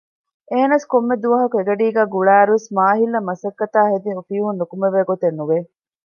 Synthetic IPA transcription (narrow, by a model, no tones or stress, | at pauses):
eːnɐskomːed̪uʋɐɦɐkueɡɐɖiːɡæːɡuɭæːɾuʋesmaːɦilɐmɐsɐkːɐt̪aːɦed̪iufiːɦunːukumeʋeːɡot̪enːuʋe